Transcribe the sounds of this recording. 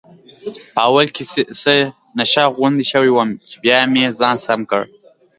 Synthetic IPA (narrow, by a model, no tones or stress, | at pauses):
pəawalkesə | naʃɑɣʊnd̪iʃəwiwəmt͡ʃɪbjɑmezɑːnsamkə̰ɽ